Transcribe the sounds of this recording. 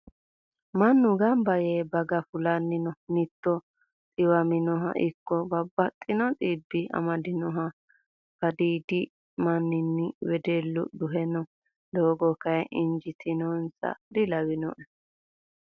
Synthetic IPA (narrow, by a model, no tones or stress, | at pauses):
mɐnːʊɡɐmbɐjebɐɡɐfʊlɐnːɪnɔnɪt̪ːɔ | tʼɪwɐmɪnɔɦɐ̰ʔɪkːɔbɐbːɐt̪ʼːɪnɔt̪ʼiːbːɪɐ̰mɐd̪ɪnɔɦɐ | b̥ɐd̪iːd̪ɪ | mɐnːɪnːɪwɛd̪elːʊ̰d̪ʊɦɛnɔ | d̪oːɡɔkɐɛʔɪnd͡ʒɪt̪ʰɪnɔnsɐ̰d̪ɪlɐwɪnɔʔɛ